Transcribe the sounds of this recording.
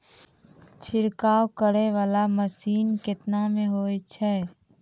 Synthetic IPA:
t͡ʃʰɪɾkaːwkəɾeʋaːlaməsiːnkɪt̪namẽɦoːet͡ʃʰɛː

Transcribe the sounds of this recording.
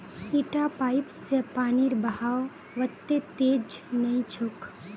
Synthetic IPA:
iʈapaːɪpsepaːniɾbəɦaːo | ʋət̪ːet̪eːd͡ʒnɐĩt͡ʃʰʊk

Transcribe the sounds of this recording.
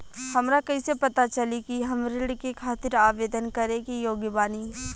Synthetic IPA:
hɐmɾakɐisepɐt̪at͡ʃɐlikiɦɐmɾɪɽkekʰaːt̪ɪɾaːʋeːd̪ənkɐɾẽkijoːɡjbaːni

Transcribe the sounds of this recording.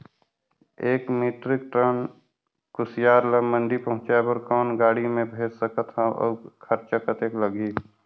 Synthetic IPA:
eːkmiːʈɾɪk̚ʈɾən | kʊsjaːɾləmə̃ɳɖipəɦʊ̃t͡ʃabəɾkɔːnɡaːɽimẽbʱeːd͡ʒsəkət̪ɦãə̰ːkʰəɾt͡ʃəkət̪eːkləɡiː

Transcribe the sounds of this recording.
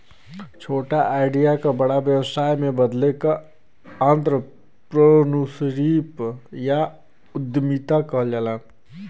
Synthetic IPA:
t͡ʃʰoːʈaʔaːɪɖijakabəɽabjəwsaːjmẽbəd̪leka | ənt̪ɾə | pɾənusɾipja | ʊd̪mit̪akəɦld͡ʒalã

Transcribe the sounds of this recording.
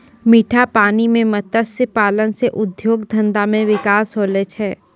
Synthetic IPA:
miːʈʰapaːnimẽmɐt̪əsəpaːlənseʔʊd̪joːɡd̪ʱɐ̃nd̪amẽʋɪkaːsɦoːlet͡ʃʰɛː

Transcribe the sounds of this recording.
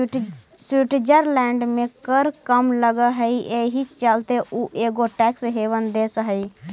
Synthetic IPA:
swiʈd͡ʒəɾlɛ̃ːɳɖmẽkəɾkəmləɡaɦəiʔeːɦit͡ʃalt̪eʔuːʔeːɡoʈɛːksɦeːʋənd̪eːsɦəi

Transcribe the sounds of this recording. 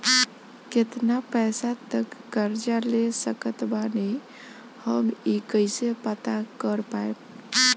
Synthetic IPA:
ket̪napɛsat̪əkːəɾd͡ʒalesəkət̪bane | həmikəɪsepət̪akəɾpaeb

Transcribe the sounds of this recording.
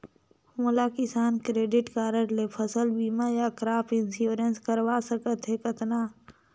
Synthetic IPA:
mʊlakɪsaːnkɾeːɖɪʈkaːɾəɽlepʰəsəlbiːmajakɾaːpʰɪnsjuːɾənskəɾʋaːsəkət̪ɦɛkət̪naː

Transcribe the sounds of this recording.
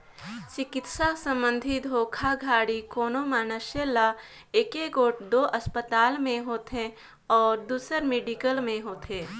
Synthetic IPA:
t͡ʃɪkɪt̪sasə̃mbə̃nd̪ʱit̪ɦoːkʰaɡʱaːɽikoːnomaːnəʃjəla | eːkeɡoːʈd̪oːʔəspət̪aːlmẽɦoːt̪ẽ | ɔːɾd̪uːsəɾmeːɖikəlmẽɦoːt̪ẽː

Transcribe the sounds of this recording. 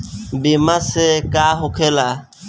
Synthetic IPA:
bimasekaɦokʰela

